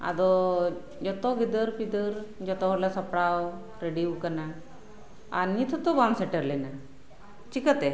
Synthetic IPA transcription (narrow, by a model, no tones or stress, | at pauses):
a̰d̪ɔ | d͡ʑɔt̪ɔɡid̪əɾpid̪əɾd͡ʑɔt̪ɔɦɔɾlasəpɽaw | ɾeɽiukəna | a̰nːit̪ʰɔt̪ɔbamseʈəɾlena | t͡ɕikət̪e